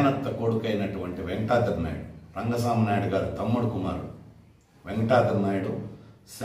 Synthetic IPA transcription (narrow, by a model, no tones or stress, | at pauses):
nɐt̪ːɐkoɽukɐjnɐʈuʋɐɳʈiʋeŋɡɐʈaːd̪ɐɾna̰ːjɽuɾɐŋɡɐs̬aːmɐnaːjɽuɡaːɾut̪ɐmːuɽkuma̰ːɾṵ | ʋeŋɡɐʈaːd̪ɐɾnaːjɽus